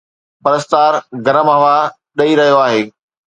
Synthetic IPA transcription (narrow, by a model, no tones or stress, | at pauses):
pɐɾəst̪aːɾɡɐɾəmɦɐʋa | ɗɐiɾɐɦijoaːɦeː